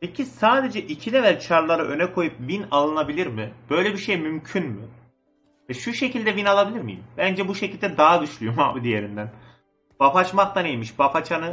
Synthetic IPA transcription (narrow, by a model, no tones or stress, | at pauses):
pʰɛcʰisaːd̪e̞d͡ʒɛʔicʰid̪ɛvælʲt͡ʃʰaɾlˠaɾaʔø̞nɛkʰo̞jɯp̚vinalˠɯnabilʲiɾmɪb̥ø̞jlʲɛbiʃejmymcʰynmɪ | vɛʃuʃe̞cilʲd̪ɛvinalˠabilʲiɾmḭjḭmbænd͡ʒɛbuʃecʰilʲd̪ɛd̪aɦad̪yʃlʲyjoma̰ːbid̪ijeɾind̪æn | b̥afat͡ʃmak̚t̪anejmiʃbafat͡ʃʰanɯ